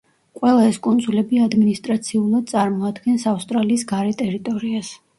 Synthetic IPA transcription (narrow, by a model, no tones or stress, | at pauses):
qʼwɛlˠaɛskʼund̪zulɛbiad̪minist̪ʼɾat̪sʰiulˠad̪̚t̪sʼaɾmɔad̪ɡɛnsafst̪ʼɾaliːsɡaɾɛt̪ʼɛɾit̪ʼɔɾias